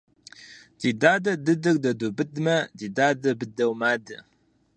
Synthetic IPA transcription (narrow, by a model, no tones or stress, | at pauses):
d̥idaːdɐdɨdɨrdɐdubɨdmɐdiːdaːdɐbɨdɐwmaːdɨ